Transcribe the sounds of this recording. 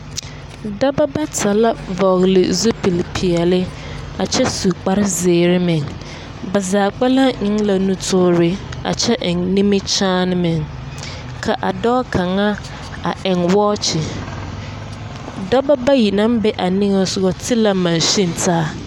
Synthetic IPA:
dɔ˦ba˦ba˦tʰa˨la˦vɔ˨ɣlɪ̰˨zu˦pʰi˨lpʰi˨ɛ˨lɪ˦ | a˨t͡ɕʰɛ˦su˨k͡pa˦ɾɪ˦zɪː˨ɾɪ˦mɪ̃˨ŋ | ba˨zaː˨k͡pɛ˦lã˦ɲɪ̃˦ŋla˨nũ˦tʰʊː˦ɾɪ˨a̰˨t͡ɕʰɛ˦ʔnĩ˦mɪ̃˦t͡ɕʰaː˦nɪ̃˦mɪ̃˨ŋ | kʰa˨ʔa˨dɔː˦kʰã˨ŋa˦ | a˨ʔɛ̃˨ŋwɔː˦t͡ɕʰɪ˨ | dɔ˦ba˦ba˦ji˨nã˦mbɛ˦ʔa˨nĩ˦ŋ˦ɔ˨sʊ˦˨ɡɔ˦tʰɪ˦la˨mã˨n˨ɕĩ˦n˨tʰaː˦

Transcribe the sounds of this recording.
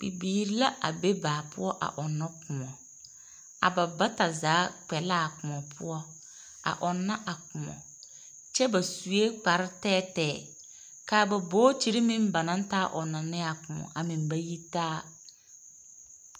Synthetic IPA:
bi˨biː˨ɾi˦la˦ʔa̰˨be˦baː˨pʊ̰˦ɔ˦ʔa̰˨ʔɔ˨nːɔ˦kʊ˨ɔ˨ | a̰˨ba˨ba˦ta˨zaː˨˦k͡pɛ˨laː˦˨kʊ˨mɔ˨pʰʊ˦ɔ˦ | a̰˨ʔɔ˨nːa˦ʔa˨kʊ˨ɔ̰˨ | t͡ʃɛ˦ba˨su˨e˦k͡pa˨ɾɪ˦tɛː˦tɛː˦˨ | kaː˨ba˨bo˦t͡ʃi˦ɾi˦mɪ̃˦mba˨nã˦n˦taː˦ʔɔ˨nːa˨nɪ˦a˨kʊ˨mɔ̰˨ʔa˨mĩ˨nba˨ji˦taː˦

